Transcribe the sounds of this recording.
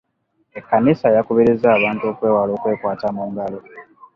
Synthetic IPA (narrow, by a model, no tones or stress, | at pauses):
ekːanisajakoβeɾezaːβaːntuo̞ːkwe̞ːwalo̞ːkwe̞ːkwaːtamuːŋɡalo